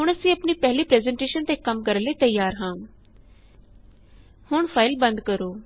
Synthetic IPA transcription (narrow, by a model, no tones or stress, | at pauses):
ɦʊɳ̃əsĩːəpniːpɛɦliːpɾɛːzɛɳʈeːʃənt̪eːkəmkəɾənleːt̪əjaːɾɦãː | hʊɳpʰaːɪlbənd̪kəɾoː